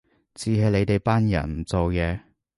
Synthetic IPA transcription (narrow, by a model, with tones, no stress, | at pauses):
t͡siː˨˧ɦɐ˨˧jle˨˧jt̪e˨˧jpaː˥njɐ̰˨˩nm̩˨˩t͡so˨wjɛː˨˧